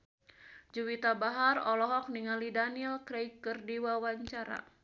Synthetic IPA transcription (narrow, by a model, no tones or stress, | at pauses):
d͡ʒuwit̪abaɦarɔlɔɦɔk̚niŋalidaniɛlkɾɛjkːɨrdiwawaɲt͡ʃaɾa̰